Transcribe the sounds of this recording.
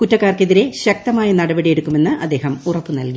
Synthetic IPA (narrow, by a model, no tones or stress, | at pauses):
kutːɐkːaːrke̞ðiɾe̞ɕɐk̚t̪ɐmaːjɐnɐɽɐbɐɽije̞ɽukːume̞nːɨʔɐd̪ːe̞ːɦɐmurɐpːɨnɐlki